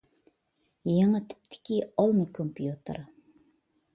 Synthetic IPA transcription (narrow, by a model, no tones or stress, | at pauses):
jeŋət̪ʰɪ̥p̚t̪ʰɪ̥kʲiɑlˠmɨkʰompʰjut̪ʰɨ̰ɾ